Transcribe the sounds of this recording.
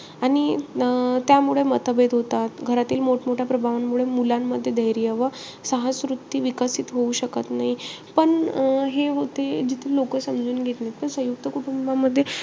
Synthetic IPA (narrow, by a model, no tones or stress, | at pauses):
aɽ̃i | t̪jamuɭemət̪əbet̪ɦot̪at̪ɡʱəɾat̪iːlmoʈmoʈʰjapɾəbʱaʋanmuɭemulamːəd̪ʱːjed̪əjɾijəʋə | səɦasɾut̪ːiːʋikəsit̪ɦouɕəkət̪naɦipəɳɦeʋot̪ed͡ʑit̪ʰelokəsəmd͡zuːnɡʱet̪net̪p̪əɾsə̃juk̚t̪əkuʈumbaməd̪ʱːje